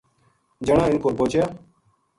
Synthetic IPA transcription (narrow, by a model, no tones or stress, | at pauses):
d͡ʒəɳãːɪnkoːpõːt͡ʃʰjaː